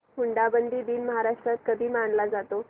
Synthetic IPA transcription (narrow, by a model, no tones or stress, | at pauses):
muɳɖabənd̪ʱiːd̪iːnməɦaɾaʂʈɾat̪̚kəd̪ʱiːmaɳlad͡zat̪o